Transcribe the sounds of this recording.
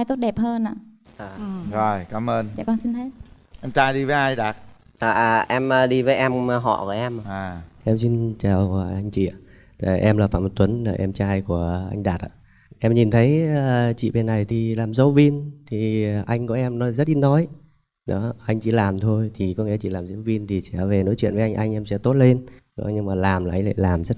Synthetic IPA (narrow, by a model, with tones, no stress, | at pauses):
jt̪o˦˥t̚ɗɛ˨˩p̚həː˧nʔa̰ː˧˨aː˨˩zɔ˨˩jkaː˨˦mʔəː˧nt͡ɕa̰˧˩kɔ˧nsi˧nte˦˥t̚ | ʔɛ˧mt͡ɕaː˧jɗi˧vəː˨˦ʔa˧jɗaː˨˩t̚ | ʔaː˨˩˨ʔɛ˧məː˧ɗi˧vəː˨˦jʔɛ˧m˧ɦɔ̰˧˨ku˧˩əʔɛ˧m˧˨aː˨˩ʔɛ˧msi˧nt͡ɕaː˨˩wa˨˩ʔa˧jŋ̟t͡ɕḭ˧˨ | t̪a˨˩ʔɛ˧mlaː˨˩faː˧˩mo˨˩t̪̚wə˨˦nlaː˨˩ʔɛ˧mt͡ɕaː˧jku˧˩əʔa̰˧jŋ̟ɗaː˨˩t̚ʔa̰ː˧˨˩ | ʔɛ˧mɲi˨˩nt̪ʰə˨˦jəː˨˧t͡ɕḭ˧˨ɓe˨˩nːa˨˩jt̪ʰi˨˩laː˨˩mzə˨˦wvi˧nt̪ʰi˨˩ʔa˧jŋ̟kɔ˧˦ʔɛ˧mnɔ˨˦zə˦˥t̚ʔi˨˦˥nːɔ˨˦j | ɗɔ̰˨˦ʔa˧jŋ̟t͡ɕḭ˧˨laː˨˩mt̪ʰo˧jt̪ʰi˨˩kɔ˨˦ŋḭ˧˥ət͡ɕḭ˧˨laː˨˩mzə˨˦wvi˧nt̪ʰi˨˩sɛ̰˧˩ve˨˩no̰˧˥jt͡ɕwḭ˧˨ənvːʔa˧jŋ̟ʔa˧jŋʔɛ˧msɛ̰˧˥t̪o˦˥t̚le˧nɗɔ˨˦ɲɨ˧ŋmaː˨˩laː˨˩mlaː˨˩ʔa˧ŋ̟la̰ː˧˨laː˨˩mzə˦˥t̚